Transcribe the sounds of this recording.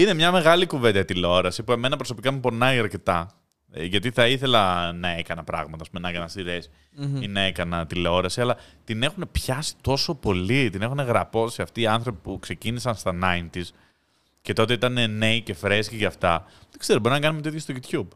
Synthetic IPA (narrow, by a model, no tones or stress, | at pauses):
ine̞mɲɐme̞ɣɐlikuve̞nd̪ɐt̪ileo̞ɾɐsipue̞me̞nɐpɾoso̞pikɐmupo̞nɐiɐɾce̞t̪ɐ | ʝɐt̪iθɐiθe̞lɐnɐe̞kɐnɐpɾɐ̰ɣmɐt̪ɐspume̞nɐekɐnɐst̪iɾes | inɐekɐnɐt̪ileo̞ɾɐsiɐlɐt̪ine̞xune̞pçɐsi̥t̪o̞so̞po̞lit̪ine̞xune̞ɣɾɐpo̞siɐft̪iːɐnθɾo̞pipukse̞cinisɐnst̪ɐnɐint̪iz | ce̞t̪o̞t̪e̞it̪ɐnene̞ice̞fɾesciʝɐft̪ɐðekseɾobo̞ɾinɐkɐnumet̪iðçest̪oʝut̪çub